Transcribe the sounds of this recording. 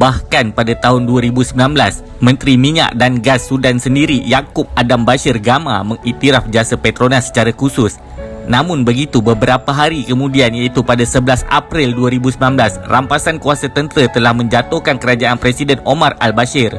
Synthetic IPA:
bahkanpadat̪aɦʊnduaɾibusəmilanblas | mə̃nt̪ɾimiɲa̰ʔdanɡasːudansəndiɾijakʊp̚adambaʃɪrɡama̰məŋit̪iɾafd͡ʒasapet̪ɾonasə̥t͡ʃaɾakusʊs | namʊnbəɡit̪ubəbəɾapaɦaɾikəmũdianjait̪upadasəbəlasa̰pɾɪlduaɾibusəmilanblasrampasankuasat̪ənt̪əɾət̪əlahmə̃ɲd͡ʒat̪uhkankəɾad͡ʒaanpɾesidɛnomara̰lbaʃɪr

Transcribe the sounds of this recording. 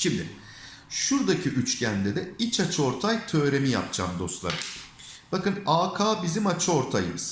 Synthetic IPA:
ʃimd̪ɪ̰ | ʃuɾd̪acʰiʔyt͡ʃcʰænd̪ɛd̪ɛit͡ʃʰat͡ʃʰɯo̞ɾt̪ʰajt̪ʰø̞ːɾe̞mija̰p̚d͡ʒa̰ːmd̪o̞st̪lˠa̰ɾɯ | b̥akɯnaːkʰaːbizimat͡ʃʰɯo̞ɾt̪ʰajɯ̰mɯz̥

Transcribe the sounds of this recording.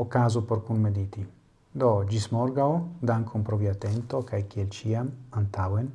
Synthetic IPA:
okazupoɾkunmed̪it̪i | d̪ɔd͡ʒismɔɾɡawd̪aŋkʰompɾɔvjat̪ːɛnt̪okajkielt͡ʃiamant̪awen

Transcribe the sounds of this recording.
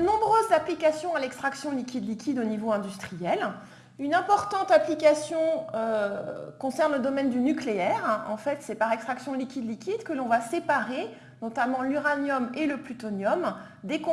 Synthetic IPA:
nɔ̃bʁøzːaplikasjɔ̃alɛkst̪χaksjɔ̃likʲid̪likʲid̪onivoɛ̃d̪yst̪χijɛl | ynɛ̃pɔʁt̪ɑ̃t̪aplikasjɔ̃økɔ̃sɛʁnləd̪ɔmɛnd̪ynykleɛʁɑ̰̃fɛt̪sɛpaʁɛkst̪χaksjɔ̃likʲid̪likʲid̪kəlɔ̃vasepaʁe | nɔt̪amɑ̃lyʁanjɔmeləplyt̪ɔnjɔm | d̪ekɔ̃

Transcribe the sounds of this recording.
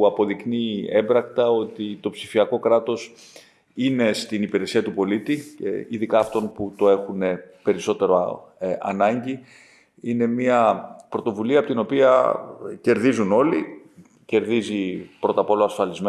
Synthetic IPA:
ɐpo̞ðikniembɾɐk̚t̪ɐo̞t̪it̪o̞psifiɐko̞kɾɐt̪o̞s | ine̞st̪inipiɾe̞siɐt̪upo̞lit̪ḭiðikɐːft̪o̞nput̪o̞e̞xune̞pe̞ɾiso̞t̪e̞ɾoɐ̰nɐɲɟi | ine̞miɐpɾo̞t̪o̞vuliɐpot̪ino̞piɐ̰ce̞ɾðizuno̞li | ce̞ɾðizipɾo̞t̪ɐpo̞loɐsfɐlizme

